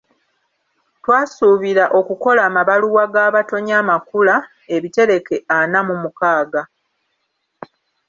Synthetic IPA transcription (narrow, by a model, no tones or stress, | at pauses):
twaːsuːβiɾaʔo̞kuko̞laːmaβaluwaɡaːβato̞ɲaːmakula | e̞βite̞ɾe̞ke̞ʔanamumukaːɡa